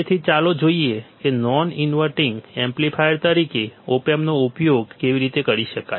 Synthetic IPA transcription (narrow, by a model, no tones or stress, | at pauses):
et̪ʰit͡ʃalod͡ʒoiekenɔninʋəɾʈiŋɡẽmplipʰajəɾt̪əɾikeopemnoupjoɡkeʋiɾit̪ekəɾiʃəka